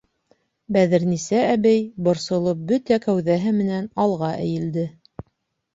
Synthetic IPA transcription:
bæðɘɾnisæːβæjbŏɾsŏlˠop̚bɵt̪ækæwðæɦɘmɘ̆nænɑlˠʁɑʔɘ̰̆jɘ̆ld̪ɘ

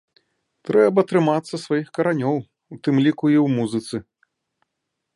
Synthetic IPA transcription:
t̪ɾɛbɐt̪ɾɨmat̪sːɐsvajixkɐɾanʲɔw | wt̪ɨmlʲikuiwmuzɨt̪sɨ

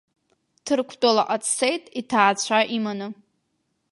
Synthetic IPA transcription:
tʰɨrkʷʰtʼalaʔʼat͡sʰsejtʼitʰaːt͡ɕʷʰaʔimanɨ

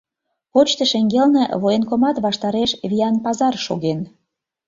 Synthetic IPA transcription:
ot͡ɕt̪ə̆ʃeŋɡelnḛβojenkomɑt̪βɑʃt̪ɑɾeʃβʲiɑnpɑzɑrʃoɣen

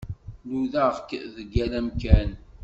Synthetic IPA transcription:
luðæʁkðəɡːælæmkæn

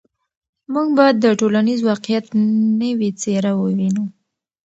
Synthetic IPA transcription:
muɡbɑjad̪ːəʈolanizwɑqjat̪nəwit͡seɾawəwinu

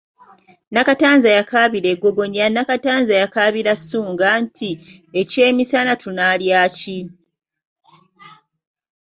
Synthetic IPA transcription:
nakataːnzajakaβiɾeɡːo̞ɡo̞ɲanakataːnzajakaːβiɾasːuːŋɡantʰi | ece̞ːmisanatʰunaljaːci

